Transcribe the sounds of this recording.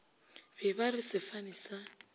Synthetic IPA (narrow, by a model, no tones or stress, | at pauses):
bɛbarɪsɪfanisa